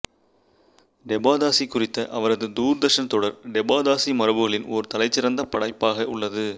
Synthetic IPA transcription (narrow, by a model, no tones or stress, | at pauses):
ɖɛbaːðaːsikːʊrɪt̪ːɐʔɐʋɐɾɐðɯd̪uːɾd̪ɐʂɐnt̪ɔɽɐɾɖɛbaːd̪aːsimɐɾɐʋɯɣɐɭɪnoɾɯt̪ɐlɐɪt͡ʃːɪɾɐnd̪ɐpɐɽɐɪpːaːɣɐʊɭːɐðɯ